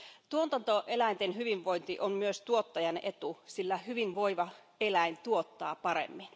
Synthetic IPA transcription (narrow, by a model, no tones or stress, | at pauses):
t̪uont̪ɑnt̪oʔelæint̪enhyʋiʋʋoint̪iʔommyøst̪uot̪ːɑjɑnet̪usilːæhyʋinʋoiʋɑ | elæint̪uot̪ːɑ̰ːpɑɾḛmːin